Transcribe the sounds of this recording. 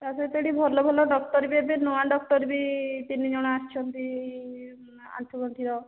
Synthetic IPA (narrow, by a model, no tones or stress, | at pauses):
t̪asɔit̪eɽibʱɔɾlɔbʱɔlɔɖɔk̚ʈ̪ɔɾbiebinɔwaɖɔk̚ʈɔɾbit̪inːid͡ʒɔɽ̃aast͡ʃʰɔnt̪i | a̰nt̪ʰɔkɔnt̪iɾɔ